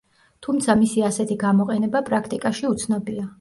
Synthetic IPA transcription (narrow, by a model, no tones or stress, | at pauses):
t̪ʰumt̪sʰamisiasɛt̪ʰiɡamɔqʼɛnɛbapʼɾakʰt̪ʼikʼaʃiut̪sʰnɔbia